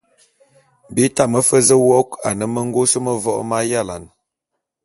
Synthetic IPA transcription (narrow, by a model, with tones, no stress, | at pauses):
bi˦ta˦˨mə˦fə˦zə˦wɔ˦ka˨nə˦mə˦ŋ˦ɡo˦sə˦mə˦vɔ˦ʔma˦ja˦˨la̰˨n